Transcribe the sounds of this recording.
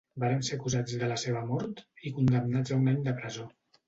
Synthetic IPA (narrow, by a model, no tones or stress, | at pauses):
baɾəmsekuzad͡zðələseβ̞əmɔɾt̪ikund̪əmnad͡zəunaɲd̪əpɾəzo